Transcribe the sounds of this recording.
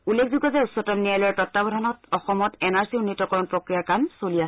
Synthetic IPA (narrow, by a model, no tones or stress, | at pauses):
ulːekʰzuɡɔzɛusːɔtɔmnijajlɔjɔtɔtːabɔdʱanɔtɔxɔmɔtɛnaɹsiunːitɔkɔɹɔnpɹokɹijakamsolias